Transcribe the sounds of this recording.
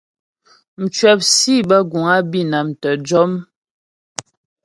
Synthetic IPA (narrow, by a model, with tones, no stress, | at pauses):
n̩˨t͡ʃɥɛ˨p̚si˦bə˦ɡu˨ŋa˦bi˦˨na˨m˨tə˨d͡ʒɔ˦m